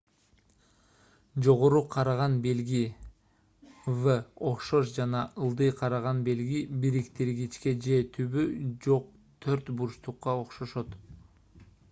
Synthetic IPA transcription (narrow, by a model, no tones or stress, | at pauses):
d͡ʒo̞ʁo̞ɾuqʰɑɾɑʁɑnbe̞lɡi | vəoqʃo̞ʃd͡ʒɑnɑɯlˠd̪ɯjqʰɑɾɑʁɑnbe̞lɡibiɾikt̪iɾɡit͡ʃke̞d͡ʒe̞t̪ʰyβyd͡ʒo̞q̚ | t̪ʰøɾt̪buɾʃt̪uqːɑo̞qʃo̞ʃo̞t̪